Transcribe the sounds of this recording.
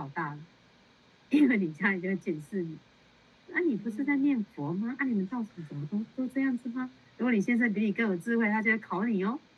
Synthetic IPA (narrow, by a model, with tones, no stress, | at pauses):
ɑ˨˩ʊt̪a˥˩lə˩ | i˦nwe˥˩ɪni˨˩t͡ɕja˥˧˨kə˥˧t͡ɕjɛ˨˩nʂɻ̩˥˩ni˨˩˦ | na˥˩ni˨˩pu˨˦ʂɻ̩˥˧t͡sa˥˧ɪmjɛ˥˩nfɔ˨˦ma˦ʔa˥ni˨˩mə˨˦nt͡sɑ˥˩ʊʂi˨˩ʂə˨˩˦mɔ˧t̪o˥t̪o˥ʊʈ͡ʂɤ˥˧jɑ˥˩ŋd͡zɹ̩˨˩ma˦ | ɻu˦˥kwni˨˩ɕjɛ˥nʂ̬ə˥np̬i˧˥ni˨˩kjo˨˩t͡sɹ̩˥˧xwe˥ɪt̪ʰa˥˧t͡ɕo˥˧we˥˩kʰɑ˨˩˦ʊni˨˩ɔ˦